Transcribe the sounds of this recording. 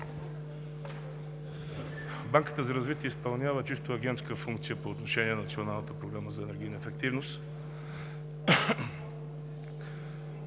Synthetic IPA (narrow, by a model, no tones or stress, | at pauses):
baŋkə̥t̪əzɐɾɐzvit̪iɛispɐlˠnʲjavət͡ʃist̪oɐɡʲɛnt̪skəfuŋk̚t̪sijəpoːt̪noʃɛniɛnɐnɐt̪sionalˠnət̪əpɾoɡɾaməzɐɛnɛɾɡʲijnəɛfɛk̚t̪ivnost̪